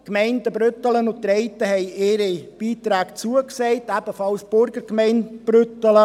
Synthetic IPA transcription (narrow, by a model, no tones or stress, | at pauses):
kmɛɪndəbɾʏt̪ələnʊtɾɛɪt̪əhɛɪɪɾib̥iːt̪ɾæːkt͡suəksɛɪtæb̥əfɑlsb̥ʊɾɡəɾkmɛɪnb̥ɾʏtələ